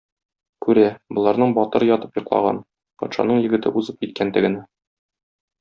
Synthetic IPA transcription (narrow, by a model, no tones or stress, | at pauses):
kʉɾæbŏlˠɑɾnɤɴbɒt̪ɤ̆ɾɤjɒt̪ɤ̥pjŏqlˠɑ̰ʁɑ̰n | pɒ̰t̪ʃɑ̰nɤɴjɘ̆ɡɘ̆t̪ɘ̰ʔuzɤp̚kit̪̚kænt̪ɘ̆ɡɘ̆næ